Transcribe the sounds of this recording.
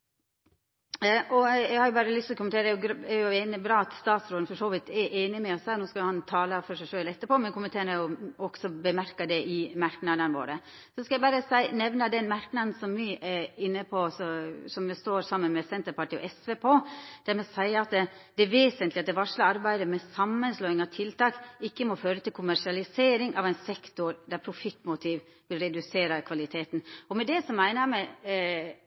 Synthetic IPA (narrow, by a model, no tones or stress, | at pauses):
ʔɔɛɪɡhɑɾjʊbɑːɾəlʏst̪ɔkʰʊmnt̪eːɾəɛjʊɾɛjʊeːnəbɾɑːɑt̪st̪ɑːt̪sɾoːd̪n̩fɔʂoːʋɪt̪ɛʔeːnɪmɛɔshæːɾnoːskɑjʊhɑnt̪ʰɑːləfɔʂæɪʂøːlɛt̪ːəpɔmɛnkʊmːənt̪ʰeːɾəjʊɔɡsɔbəmæɾkɑd̪ɛʔɪmæɾknɑd̪ənʋo̰ːɾə | sɔskɑæɪbɑːɾəsæɪnɛʋnəd̪ɛnmæɾknɑnn̩sɔmːiʔɛɪnːəpʰɔsɔsɔmʋɛst̪oːɾsɑmːənmɛsɛnt̪əɾpɑʈiːɔ̰ʔɛsʋɛːpʰoːd̪̥æɾmɛsæɪɑt̪d̪ɛʋeːsənt̪lɪɑt̪d̪ɛʋɑʂləɑɾbæɪd̪əmɛsɑmːənsloːɪŋɑʋt̪ʰɪlt̪ɑːkɪkːəmɔføːɾət̪ɪlkʰʊmæʂɪɑlɪseːɾɪŋʔɑʋæɪnsɛkt̪ʊɾd̪æɾpʰɾʊfɪt̪ːmʊt̪ʰiːʋ | bɪlɾɛd̪ʉseːɾəɾkʰʋɑlɪt̪ʰeːt̪n̩ɔmɛd̪ɛsɔmæɪnəɾmɛ